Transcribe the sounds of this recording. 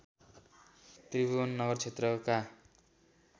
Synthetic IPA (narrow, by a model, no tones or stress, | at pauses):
t̪ribuʌnːʌɡʌrt͡sʰet̪rʌka